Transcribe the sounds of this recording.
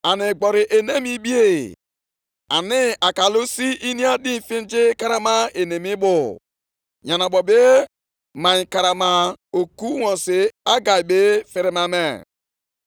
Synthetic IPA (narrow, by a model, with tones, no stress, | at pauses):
a˨nɪ˨ɡ͡bɔ˨ɾi˨ʔe˨ne˦mi˦bi˦e˦˨ | a˨nɪ˨a˨ka˨lo˦si˦i˦ni˦a˦di˦˨fĩ˦n˦d͡ʒi˦ka˦ɾa˦ma˦e˨ne˨mi˦bʊ˨ | ɲa˨na˨bɔ˨be˦ | ma˨ɲ̃˨ka˨ɾa˨ma˨o˨ku˦wɔ˨si˨a˦ɡa˨jbe˦fe˨ɾe˦ma˨me˨